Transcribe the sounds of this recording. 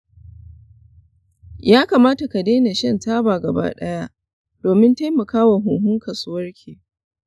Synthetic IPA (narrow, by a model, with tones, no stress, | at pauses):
jaː˦kaː˨maː˦ta˨ka˨deː˦ne˨ʃɛ˦˨ntaː˦baː˨ɡɐ˨ba̰˦ɗɐ̰˦ja˦ʔ | d̥oː˨mɪ˦nta˦jmɐ˨kaː˦wa˨ɦʊː˨ɦʊ˦ŋkɐ˨sʊ˦wɐ˦rkʲʰeː˨